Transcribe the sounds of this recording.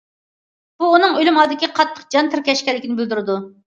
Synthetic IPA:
b̥uːnɨŋølɪmɑlˠd̪ɪkʲiqʰɑt̪ʰːə̥q̚d͡ʒɑnt̪ʰɪɾkʲɛʃkʲɛlːɪkʲinɪbɪld̪yɾɨd̪u

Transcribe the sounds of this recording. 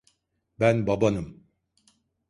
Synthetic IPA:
bænbabanɯm

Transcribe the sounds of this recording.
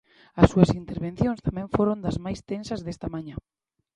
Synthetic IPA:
ɐsːuɐsint̪eɾβẽnθjõŋst̪amɛ̃ɱfoɾond̪ɐzmajst̪ensɐzðest̪ɐmaɲɐ

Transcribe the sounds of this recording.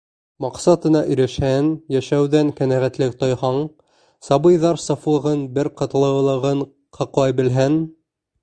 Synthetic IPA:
mɑqsɑt̪ɤ̆nɑʔɵ̆jɾæʃhænjæʃæwðæŋkænæʁæt̪lɘk̚t̪ojhɑɴ | sɑbɤjðɑɾsɑflˠɤ̆ʁɤnbɘɾqɤ̆t̪ɤ̆lˠɤ̆wlˠɤ̆ʁɤɴ | qʰɑqlˠɑjbɘ̆lɦæn

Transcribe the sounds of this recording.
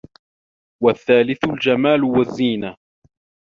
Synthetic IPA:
waθːaːlɪθʊld͡ʒamaːlʊwazːiːna

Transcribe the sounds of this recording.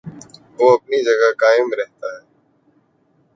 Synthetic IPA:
ʋoːɐp̚nid͡ʒɐɡakaːɪmɾɛɦt̪aɦɛː

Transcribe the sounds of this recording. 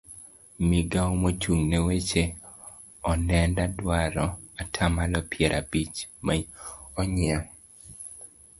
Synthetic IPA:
miɡaomot͡ʃuŋnewet͡ʃe | ɔnɛndadwaɾɔatʰamalɔpɪɛɾʔabit͡ʃmaɔɲɪa

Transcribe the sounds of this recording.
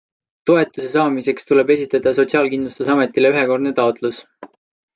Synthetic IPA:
t̪o̞e̞t̪ˑːuse̞sɑːmise̞kst̪ule̞be̞sʲit̪ːˑɑd̪̥ɑs̬o̞t̪siɑːlkind̪lust̪usɑme̞t̪ːˑileyɦeko̞rd̪net̪ɑo̞t̪ˑlus

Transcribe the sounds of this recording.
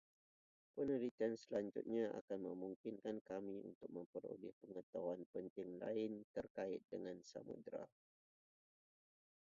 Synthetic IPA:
pənəɾit̪iansəlaɲd͡ʒʊ̰t̪̚ɲãʔa̰kanmə̃muŋkɪnkankamiṵnt̪ʊk̚məmpəɾṵlɪhpəŋət̪awanpənt̪ɪŋla̰ɪnt̪ərkaɪt̪̚dəŋãnsa̰mṵdɾa̰

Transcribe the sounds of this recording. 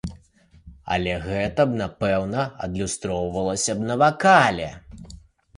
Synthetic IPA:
ɐ̰lʲɛɣɛt̪ɐbnapɛwnɐɐd̪lʲust̪ɾɔwvɐlˠɐsʲɐb̚nɐvakalʲɛ̰

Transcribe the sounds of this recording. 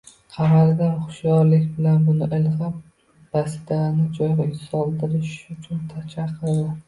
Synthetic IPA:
qʰɑmald̪anχʊ̥ʃjɒɾlɪkʲbɪlanbʊnɪʔɪlʁap | b̥asɪd̪anɪd͡ʒɒjʁaɪsɒlˠd̪ɪɾɪʃʊt͡ʃʰʊnt̪ʰat͡ʃʰaqʰːɨɾla

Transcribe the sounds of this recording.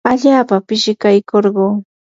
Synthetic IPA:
aʎaːpapɪʃɪkajkoɾɢoː

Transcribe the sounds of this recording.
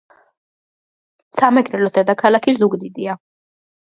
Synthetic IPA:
samɛɡʼɾɛlɔd̪ɛd̪akʰalakʰizuɡd̪id̪ia

